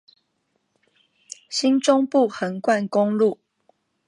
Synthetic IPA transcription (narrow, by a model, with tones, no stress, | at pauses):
ɕi˦˥nʈ͡ʂʊ˦ŋpu˥˨xə˨˦ŋkwa˥˨nkʊ˦ŋlu˥˨